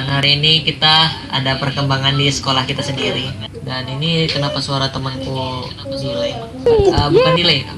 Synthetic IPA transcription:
nɦaɾiːnikit̪aa̰dapərkəmbaŋandisə̥kolahkit̪asəndiɾi | daninikənapasuaɾat̪əmənkuənapadila | əbkandilaj

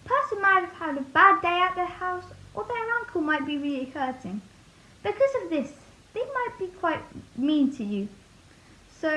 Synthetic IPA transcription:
pʰɜˑsə̃nmaɪtəv̥hədəbadeɪaʊʔ̪̚ðəhaʊsʔəðəɹʌ̃ŋkʰəl̩ˠmaɪʔ̚b̥iɹɪlihɜˑtɪ̃ŋ | b̥ɪkʰʌzəvðɪs | ðeɪmaɪʔ̚b̥ikʰw̥aɪʔ̚mĩntʰɨjʉ | soʊ

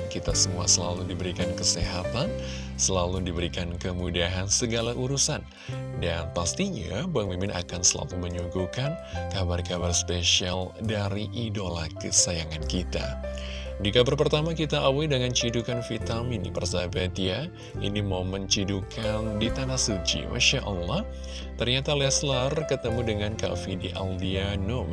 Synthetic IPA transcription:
kit̪asəmuasəla̰ludibəɾikankəseɦat̪an | səlaludibəɾikankəmudaɦansəɡalaʔuɾusan | danpast̪iɲabaŋmimɪna̰kansəla̰luməɲuɡukankabarkabarspeʃialdaɾiʔidolakəsajaŋankit̪a̰ | d͡ʒdikabərpərt̪amakit̪aʔawidəŋant͡ʃidukanfit̪aminḭpərzabat̪ija | ḭnimomənɲt͡ʃidukʰandit̪anahsut͡ʃḭma̰ʃaʔəlːah | t̪ərɲat̪alɛslarkət̪əmudəŋanka̰fidiʔa̰ldiano

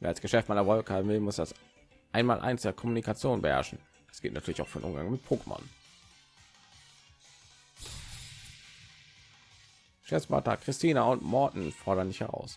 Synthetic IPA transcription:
veːɐalsɡ̥əʃɛftmaɪnɐvɔlkhaːbm̩vɪlmʊsd̥as | ʔaɪnmaːlʔa̰ɪnsd̥eːɐkʰɔmunikʰat͡sjoːnbəhɛ̰ɐʃn̩̥ | ḁsɡ̥ɪltnatʰyːɐlɪçaʊfyːdɪ̰nʔʊ̰mɡaŋmɪt̚pʰoːkəmɔ̰n | ʃɛspa̰tɐ̰kʁ̥ɪstʰiːnaʊntmɔɐtn̩fɔɐɾɐndɪçhɛʁ̞a̰ʊs

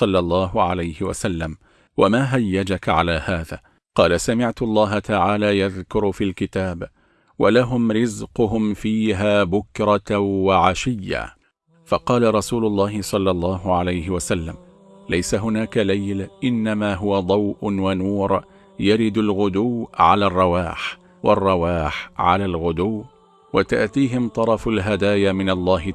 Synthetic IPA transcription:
sˤɑlːɑlˤːɑːɦʊʕalajhɪwa̰salːam | wamaːɦajːad͡ʒakʕalaːhaːðaː | qɑːlasamɪʕt̪ʊlˤːɑːɦat̪aʕaːlaːjaðkʊɾfiːlkɪt̪aːb | walaɦʊmɾɪzqʊɦʊmfiːɦaːbʊkɾˤɑwaʕaʃɪjːa̰ | fɑqɑːlaɾˤɑsuːlʊlˤːɑːhɪsˤɑlːɑlˤːɑːɦʊʕalajɦɪwasalːam | lajsaɦʊnaːkalajlʔɪnːamaːɦʊwad̪ˤɑwʔʊnwanuːɾ | jaɾɪd̪alɣʊd̪uwʕa̰laːrˤːɑwaːħ | wɑrˤːɑwaːħʕa̰laːlɣʊd̪uː | wat̪a̰ʔt̪iːɦɪmt̪ˤɑɾˤɑfalɦad̪aːjamɪnɑlˤːɑːɦɪ

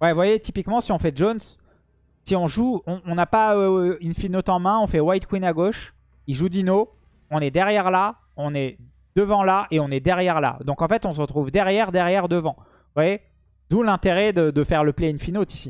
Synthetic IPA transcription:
wɛvwajet̪ipikmɑ̃siɔ̃fɛʒons | siɔ̃ʒuɔ̃ɔ̃napaøiynfinot̪ɑ̃mɛ̃ɔ̃fɛwajt̪̚kwinaɡoʃ | iʒud̪ino | ɔ̃nɛd̪ɛʁjɛʁla | ɔ̃nɛ | d̪̥əvɑ̃laʔeɔ̃nɛd̪ɛʁjɛʁla̰d̪ɔ̃kɑ̃fɛt̪ɔ̃səʁət̪χuvd̪ɛʁjɛʁd̪ɛʁjɛʁd̪əvɑ̃ | vwaje | d̪ulɛ̃t̪eʁɛd̪əd̪əfɛʁləpleinfinot̪isi

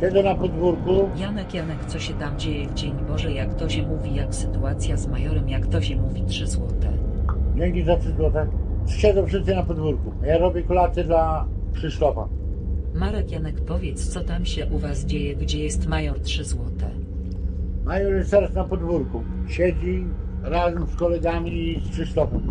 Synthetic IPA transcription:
ɕɛd̪zɛnapɔd̪vuɾkujanɛkjanɛkt̪sɔɕɛt̪amd͡ʑejɛvd͡ʑeɲbɔʐɛjakt̪ɔɕɛmuvʲijaksɘt̪uat̪sʲjazmajɔɾɛmjakt̪ɔɕɛmuvʲitʂɘzwɔt̪ɛ̰ɲɛɡʲizatʂɘzwɔt̪ɛ̥ɕɛd̪ɛ̃fʂɘst̪k̪ɘnapɔd̪vuɾkuajaɾɔbʲjɛkɔlat̪sɘd̪la | pʂɘst̪ɔfa̰maɾɛkjanɛkpɔvʲjɛt̪st̪sɔt̪amɕɛʔuvasd͡ʑejɛɡd͡ʑɛjɛst̪majɔtʂɘzwɔt̪ɛ̰ | majɔɾɛt̪ɛɾasnapɔd̪vuɾku | ɕɛd͡ʑi | ɾazɛmskɔlɛɡamʲispʂɘst̪ɔfɛm

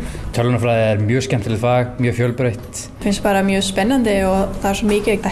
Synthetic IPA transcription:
t̪ʰœlːʏnafɾaːðɪɛɾmjœːscɛm̥t̪ɪlɪfaːɣmjœːfjœlpɾejht̪ | fɪnspaːɾamjœːspɛnːant̪ɪɔɣθaðaɾsɔmɪːcɪeːk̚t̪a

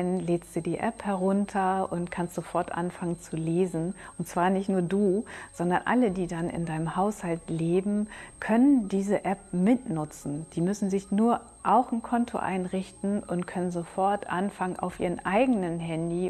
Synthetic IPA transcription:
nleːstd̥uːdiːʔɛphɛɐʁʊntʰɐʊntkʰanstz̥ofɔɐtʔa̰nfaŋənt͡suleːzn̩ʔʊntt͡sv̥aːɐnɪçtnuːɐduːz̥ɔndɐnʔa̰lədiːdanɪ̰ndaɪnəmhaʊshaltleːbm̩kʰœnəndiːzəʔɛp̚mɪtnʊt͡sn̩d̥iːmʏsn̩zɪçnuːɐ | ʔaʊxn̩kʰɔntʰo̰ʔa̰ɪnʁɪçtn̩ʔʊntkʰœnənzofɔɐtʔanfaŋənʔa̰ʊfʔḭːʁ̞ənʔaɪɡənənɦɛndiː

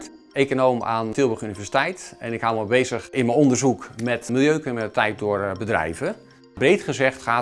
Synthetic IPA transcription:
ekonoːma̰ːntɪlˠbəχynivɛsi̥tɛjtɛnɪkhalˠməbejzəxɪnmənondərzukmɛtmilˠjøːkənətɛjt̚dʊərbədrɛ̰jvə | brejtχəzɛxtχaː

